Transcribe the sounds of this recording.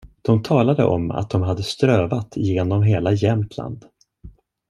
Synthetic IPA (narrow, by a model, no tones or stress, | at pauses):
d̪̥ɔmt̪ʰɑːlad̪ə̰ʔɔmːa̰t̪̚d̪ɔmɦad̪ːəst̪ɾøːvat̪ʰɪjeːnɔmɦeːlajɛmt̪ʰla̰nd̪